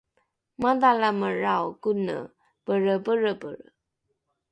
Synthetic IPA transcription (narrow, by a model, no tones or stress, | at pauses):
madalaməɻawkunə̰ | pəɻəbəɻəbə̰ɻə